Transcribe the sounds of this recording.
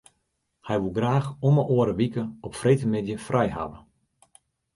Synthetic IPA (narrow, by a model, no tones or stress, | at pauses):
hɛjʋulˠɡraːxɔməʔoəɾəʋikəɔpfrejtəmɪdjəfrʔɛjɦa̰ʋə̰